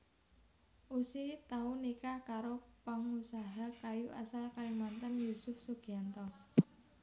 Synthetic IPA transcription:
ʔusit̪aunikakaɾopaŋusaɦakajuʔa̰salkalimant̪ənjusʊfsuɡ̥iant̪ɔ

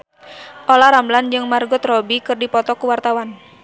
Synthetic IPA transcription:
ʔolaɾambland͡ʒɨŋmarɡʊt̪rɔbikɨrdipɔt̪ɔkuwart̪awan

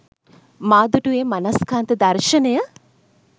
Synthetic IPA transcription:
maːd̪uʈueːmanɐskaːnt̪əd̪ɐrʃənəjə

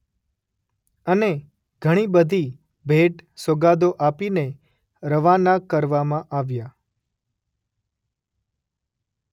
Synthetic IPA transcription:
əne | ɡʱəɽ̃ibəd̪ʱi | bʱeʈsoɡad̪oʔapine | ɾəʋanakəɾʋamãʔaʋja

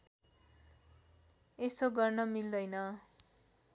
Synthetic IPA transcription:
esoɡʌrnʌmild̪ʌjnʌ

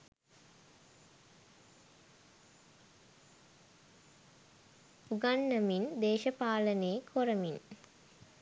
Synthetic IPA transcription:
puɡanːəmind̪eːʃəpaːləneːkʰoɾəmin

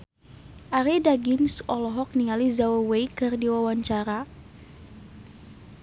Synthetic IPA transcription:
ʔaɾidaɡɪmsɔlɔɦɔk̚niŋalizawawejkɨrdiwawaɲt͡ʃaɾa

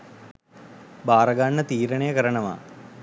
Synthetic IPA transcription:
baːɾɐɡaɳːət̪iːɾəɳejəkəɾəɳɐʋa̰ː

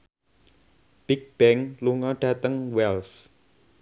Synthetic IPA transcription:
b̥ik̚b̥ɛŋluŋɔɖ̥ä̤t̪əŋwɛls

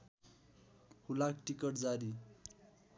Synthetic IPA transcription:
hulakʈikʌʈd͡zaɾi

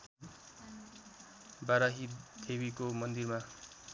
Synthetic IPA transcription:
baɾaɦid̪̥eβikomʌnd̪irma

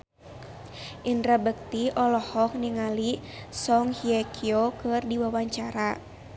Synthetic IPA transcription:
ʔindɾabək̚t̪iʔɔlɔhɔk̚niŋalisɔŋhiakʰiokɨrdiwawaɲt͡ʃaɾa

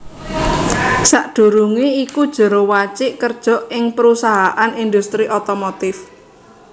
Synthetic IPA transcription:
saʔd̪̥ṳɾuŋeikud̥ʒ̥ə̤ɾowat͡ʃɪʔkərd̥ʒ̥ɔ̤ʔɪŋpəɾusaɦaʔanind̪ust̪ɾiʔɔt̪ɔmɔt̪ɪf

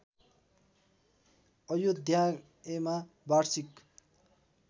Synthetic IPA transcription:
ʌjod̪ʱja | ema | barsik

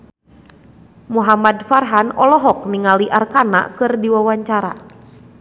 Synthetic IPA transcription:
muɦamadfarɦanɔlɔɦɔk̚niŋaliʔarkana̰ʔkɨrdiwawaɲt͡ʃaɾa̰

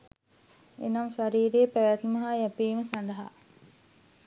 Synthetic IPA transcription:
ḛnamʃaɾiːɾeːpæʋæt̪mɐɦajæpiːməsand̪ɐɦa̰

